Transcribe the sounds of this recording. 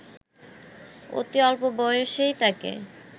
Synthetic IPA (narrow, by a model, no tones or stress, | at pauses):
o̰t̪iɔlpobɔjoʃejt̪akḛ